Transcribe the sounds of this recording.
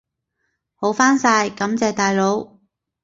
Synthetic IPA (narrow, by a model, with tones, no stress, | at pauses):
ho˨˥wfaː˥nsaː˧jkɐ˨˥mt͡sɛː˨˧t̪aː˨jlo˨˧˥w